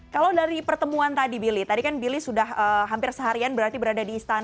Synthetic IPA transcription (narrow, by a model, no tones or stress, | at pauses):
kalawdaɾipərt̪əmuant̪adibilit̪adikanbilisudahəɦampɪrsəɦaɾianbəɾart̪ibəɾadadiːst̪an